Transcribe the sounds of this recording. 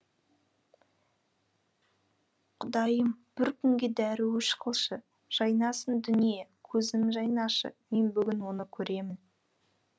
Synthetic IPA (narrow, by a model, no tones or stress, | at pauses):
qʰʊd̪ɑjəmb̥ɪɾkʲʰʏŋɡʲed̪æɾɪwɵʃqəlˠʃə | ʒ̥ɑjnɑsənd̪ʏnijekʲʰɵzɪmʒɑjnɑʃə̰me̞nbʏɡʲɪnwo̞nəkʲʰɵɾe̞mɪn